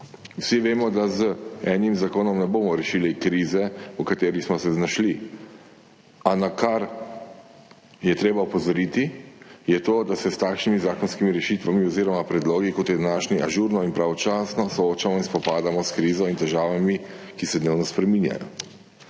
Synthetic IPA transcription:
wsiʋeːmɔd̪azəɛːnimzakoːnɔmnɛboːmɔɾɛʃiːlikɾiːzɛɔkat̪eːɾixsmɔsɛznaʃli | anakaɾ | jɛt̪ɾeːbaupɔzɔɾit̪ijɛt̪oːd̪asɛst̪aːkʃnimizaːkɔnskimiɾɛʃiːt̪ʋamiɔziːɾɔmapɾɛd̪loːɡikɔt̪jɛd̪anaːʃniʔaʒuːɾnɔinpɾaʋɔt͡ʃaːsnɔsɔoːt͡ʃamɔinspɔpaːd̪amɔskɾiːzɔint̪ɛʒaːʋamikisɛd̪neːwnɔspɾɛminja̰jɔ̰

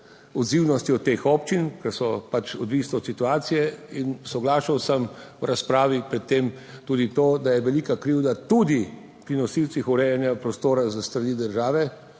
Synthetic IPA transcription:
ɔd̪ziwnɔst̪iɔt̪ːeːxɔp̚t͡ʃinkɛɾsɔpat͡ʃɔd̪ʋiːsnɛɔt̪sit̪uaːt̪sijɛinsɔɡlaːʃawsəmwɾaspɾaːʋipɾɛt̪ːeːm | t̪uːd̪it̪oːd̪ajɛʋɛlikakɾiwd̪at̪ud̪i | pɾinɔsiwt̪sixuɾɛjanjapɾɔst̪oːɾazast̪ɾaniːd̪əɾʒaːʋɛ

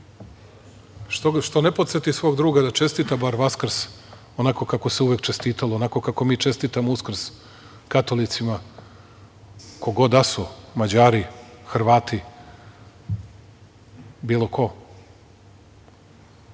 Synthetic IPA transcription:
oʃt̪o̞nepot̪set̪isʋo̞ːɡd̪ɾuːɡad̪at͡ʃe̞st̪it̪abaɾʋaskr̩s | o̞nako̞kako̞seuʋekt͡ʃe̞st̪iːt̪alˠoonako̞kako̞miːt͡ʃe̞st̪it̪amouskr̩s | kat̪o̞lit̪sima | ko̞ɡo̞d̪asomad͡ʑaːɾixr̩ʋaːt̪i | biːlˠo̞kʰo̞

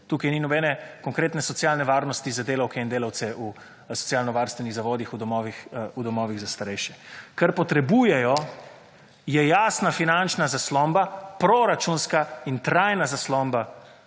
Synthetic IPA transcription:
t̪uːkajninɔbɛːnɛkɔŋkɾeːt̪nɛsɔt̪sjaːlnɛʋaːɾnɔst̪izad̪eːlawkɛind̪eːlawt̪sɛu | sɔ̥tsijaːlnɔʋaɾst̪ʋɛniɣzaʋɔːd̪ixud̪ɔmɔːʋixud̪ɔmɔːʋiɣzast̪aɾɛjʃjɛkaɾpɔt̪ɾɛbuːjɛjɔ | jɛjaːsnafinant͡ʃnazaslɔmbapɾɔɾat͡ʃunskaint̪ɾajnazaslɔmba

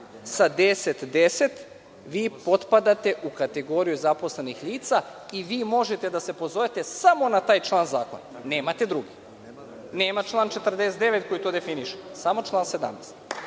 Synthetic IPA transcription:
sad̪e̞set̪d̪ese̞t̪ | ʋiːpo̞t̪pad̪at̪e̞ʔukat̪eɡo̞ɾijuzapo̞sle̞nixliːt̪sa | iʋiːmo̞ʒet̪e̞d̪ase̞po̞zoʋet̪e̞samo̞nat̪aːjt͡ʃlˠaːnzaːko̞̰nane̞ːmat̪e̞d̪ɾuɡi | neːmat͡ʃlˠaːnt͡ʃe̞t̪r̩d̪eset̪d̪e̞ʋe̞t̪̚ko̞jit̪o̞ːd̪efiniʃe̥samo̞t͡ʃlˠaːnse̞d̪a̰mnest̪

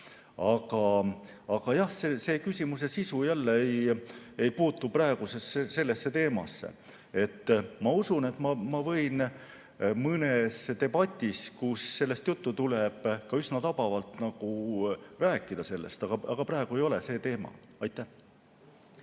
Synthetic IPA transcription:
ɑɡ̥ɑ | ɑɡ̥ɑjɑhseːse̞ːkysʲimus̬e̞sisujælːeeje̞jpuːt̪ːˑuprɑeɡ̥usesese̞lːe̞sːe̞t̪e̞ːmɑ̰sːḛ | e̞t̪ːmɑusune̞t̪ːmɑmɑvɤ̞jn | mɤne̞st̪e̞bɑt̪ʲːˑiskusːe̞lːe̞st̪jut̪ːut̪uleb̥kɑysnɑt̪ɑb̥ɑvɑlt̪nɑɡ̥uræːkːˑid̪̥ɑse̞lːḛst̪ɑɡ̥ɑɑɡ̥ɑpɾɑeɡ̥ue̞jo̞le̞se̞ːt̪e̞ːmɑ̰ | ɑjt̪ːˑæh

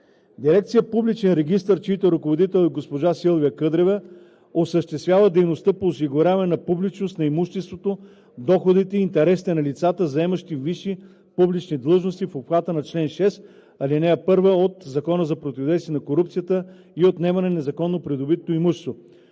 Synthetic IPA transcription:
d̪iɾɛk̚t̪sijəpublit͡ʃɛnɾɛɡ̟ist̪əɾt͡ʃit̪əɾɐkovod̪it̪ɛlʲˠod̪̚ɡospoʒasilˠviəkɤd̪ɾɛvɛ | osəʃt̪ɛst̪vʲjavəd̪ɛjnost̪əpoːsiɡʊɾʲavɐnɛnɐpublit͡ʃnost̪nɐimuʃt̪ɛst̪vot̪o | d̪ɔxod̪it̪ɛiːnt̪ɛɾɛsit̪ɛnɐlit̪sat̪əzɐɛməʃt̪iviʃi | publit͡ʃnid̪lˠɤʒnost̪ifopxat̪ənɐt͡ʃlɛnʃɛs | ɐlinɛɛpɤɾvəot̪zɐkɔnəzɐpɾot̪ʲivɐd̪ɛjsviɛnɐkoɾupt̪sijət̪ə | iot̪nɛmɐnɛnɛzɐkɔnːopɾid̪obit̪oimuʃɛ̥st̪vo

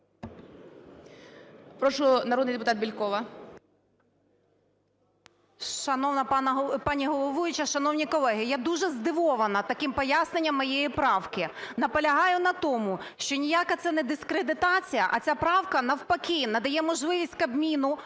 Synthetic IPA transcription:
pɾɔʃʊnɐɾɔd̪njd̪epʊt̪ɑt̪̚bʲilʲkɔʋɐ | ʃɐnɔnɐɦpɑnʲiɦɔlˠɔʋujʊt͡ʃɐʃɐnɔwnʲikɔlˠɛɦɪjad̪uʒɛzd̪ɪʋɔʋɐnɐt̪ɐkɪmpɔjasnenʲːɐmːɔjɛjipɾɑwkʲɪnɐpɔlʲɐɦɑjʊnɐt̪ɔmʊʃt͡ʃɔnʲijakɐt̪sɛnɛd̪ɪskɾed̪ɪt̪ɑt͡sʲijɐʔɐt͡sʲapɾɑwkɐnɐwpɐkʲinɐd̪ɐjɛmɔʒlˠɪʋʲisʲtʲkɐbmʲinʊ

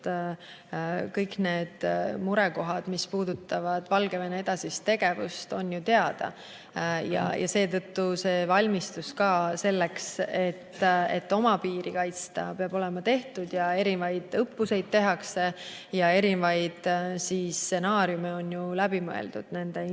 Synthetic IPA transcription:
kɤjkne̞ːd̪̥muɾe̞ko̞ɦɑd̪̥mispuːd̪̥ut̪ːˑɑvɑd̪̥vɑlɡ̥e̞venee̞d̪̥ɑsist̪e̞ɡ̥e̞vṵst̪o̞njut̪e̞ɑd̪̥ɑ̰ | jɑ̰jʔɑ̰se̞ːt̪ɤt̪ːuse̞ːvɑlʲmist̪uskɑːse̞lːekse̞t̪ːe̞t̪ːo̞mɑpiːɾikɑjt̪st̪ɑpeɑb̥o̞le̞mɑt̪e̞ht̪ud̪̥jɑe̞ɾivɑjd̪̥ɤpːuse̞jd̪̥̚t̪e̞ɦɑkse̞ | jɑe̞ɾivɑjd̪̥siːse̞nɑːɾjumeo̞njulæbimɤ̰ḛld̪̥ud̪̥ne̞nd̪e

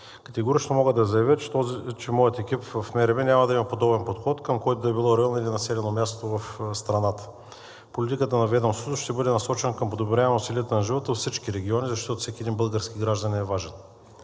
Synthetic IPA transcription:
kɐt̪ɛɡoɾit͡ʃnomɔɡəd̪ɐzɐjɐvʲjət͡ʃɛmɔjət̪ɛkʲipvɐfmɛɾɛbɛnʲamɐd̪ɐimɐpod̪ɔbɛnpot̪xɔt̪kəmkɔjt̪od̪ɐɛbilˠɔɾɛalˠnoilʲinɐsɛlʲɛnomʲjast̪ovɐfst̪ɾɐnat̪ə̥ | polʲit̪ikət̪ənɐvɛd̪omsut̪oʃt̪ɛbɤd̪ɛnɐsɔt͡ʃɛnəkəmpod̪obɾʲaɛmusiliət̪ənɐʒivət̪ət̪fsit͡ʃkiɾɛɡʲiɔnizɐʃt̪ɔt̪ofsɛkʲiɛd̪inbɤlˠɡəɾskʲiɡɾaʒd̪ɐnʲinɛvaʒɛn

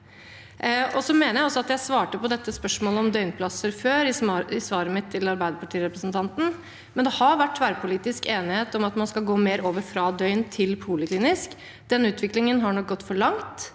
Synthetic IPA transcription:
ʔɔsɔmeːnəjæɪɔsːɔɑt̪jæɪsʋɑːʈəpɔd̪ɛt̪ːəspœʂmoːləɔmd̪œʏnpʰlɑsəɾføːɾɪɪsʋɑːɾəmɪt̪ʰːɪlɑɾbæɪd̪əpʰɑʈʰiːɾɛpɾəsn̩t̪ʰɑnt̪n̩ | mɛnd̪ɛhɑɾʋæʈːʋæːɾəpʰʊliːt̪ɪskeːnɪheːt̪ɔmɑt̪mɑnskɑlɡoːmeːɾoːʋəɾfɾɑd̪œʏnt̪ʰɪlpʰuːləkliːnɪsk | d̪̥ɛnʉːt̪ʋɪklɪŋənɦɑɳɔk̚ɡɔt̪ːfɔɭɑŋt̪

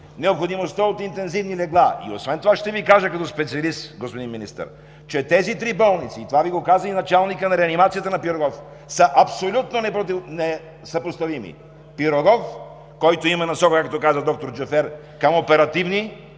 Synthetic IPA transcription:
nɛopxod̪imost̪əot̪int̪ɛnzivnilɛɡlˠaḭo̰svɛnt̪ovaʃt̪ɛvikaʒəkɐt̪ɔspɛt̪siɐlist̪ɡospod̪inminḭst̪ə̰ɾ | t͡ʃɛt̪ɛzit̪ɾibɔlˠnit̪siːt̪ovaviɡokazɐinɐt͡ʃalˠnikənɐɾɛɐnimat̪sijət̪ənɐpiɾoɡɔf | səʔɐpsolʲut̪nonɛpot̪nɛ | sɐpost̪ɐvimḭ | piɾoɡɔf | kɔjt̪oimɐnɐsɔkokak̚t̪ɔkazəd̪ɔk̚t̪oɾd͡ʒɛfɛɾ | kɐmopɛɾɐt̪ivni

